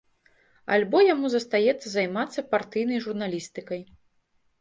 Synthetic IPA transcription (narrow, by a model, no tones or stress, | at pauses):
a̰lʲbɔjamuzɐst̪ajɛt̪sːɐzajmat̪sːɐpart̪ɨjnɐjʐurnalʲist̪ɨkɐj